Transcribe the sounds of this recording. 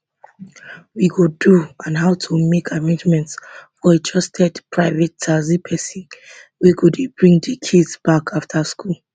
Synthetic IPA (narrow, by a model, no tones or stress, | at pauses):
wiɡoduãnɦaʊtʰumekʰaɹẽnd͡ʒmɛ̃ntsfɔetʰɔstʰɛdpʰɹaɪvɛtt͡ʃazipʰɛsĩn | wiɡudbɹĩŋdikʰidsb̥akʰaftʰaskul